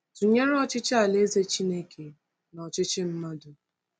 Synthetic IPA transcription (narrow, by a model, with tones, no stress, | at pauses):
tu˨ɲe˦ɾɔ˦t͡ʃɪ˦t͡ʃɪ˦a˨le˦ze˦t͡ʃi˦ne˦kʰe˨ | nɔ˨t͡ʃɪ˦t͡ʃɪ˦m̩˦ma˦dʊ˨